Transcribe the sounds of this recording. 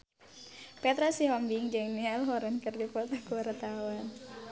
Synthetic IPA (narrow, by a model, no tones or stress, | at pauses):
pɛt̪ɾasiɦɔmbiŋd͡ʒɛŋnialɦɔɾɛnkərdipɔt̪akuaɾat̪awan